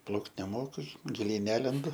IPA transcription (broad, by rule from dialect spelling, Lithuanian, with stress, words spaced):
ˈplˠɐʊkt nʲɛˈmoːkʊ ɡʲɪˈlʲɛɪ ˈnʲæːlʲɛndʊ